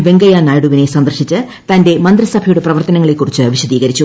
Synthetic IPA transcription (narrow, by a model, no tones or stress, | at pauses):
ʋe̞ŋɡɐjaːnaːjɽuʋine̞sɐnd̪ɐrɕit͡ɕːɨ | t̪ɐnde̞mɐnd̪rɨsɐbʱɐjuɽe̞prɐʋɐrt̪ɐnɐŋːɐɭe̞kːurit͡ɕːɨʋiɕɐd̪iːɣɐɾit͡ɕːu